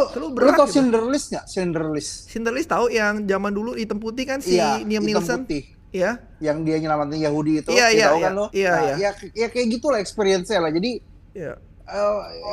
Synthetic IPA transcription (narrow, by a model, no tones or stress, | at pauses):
ot̪əlubəɾuaausindəɾlɪsɲasɛndərlɪssind̪ərlɪst̪aujaŋd͡ʒamanduludit̪əmput̪ihkansiniəmnilsənt̪i | ja | jaŋdiaɲəlamat̪ənjaɦudiit̪uijaijaaukanlohijajajajakajaɡit̪ulahɛkspeɾiɛnsalahd͡ʒadi | ja̰ | ə